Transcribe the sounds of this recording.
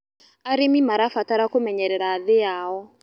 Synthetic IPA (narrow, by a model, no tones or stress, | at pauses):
aɾimimaɾafataɾakomɛɲɛɾɛɾaːðɪjaːɦɔ